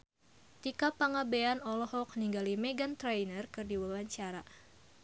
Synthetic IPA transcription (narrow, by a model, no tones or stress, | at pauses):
t̪ikapaŋabeanɔlɔhɔk̚niŋɡalimɛɡant̪ɾajnərkɨrdiwawaɲt͡ʃaɾa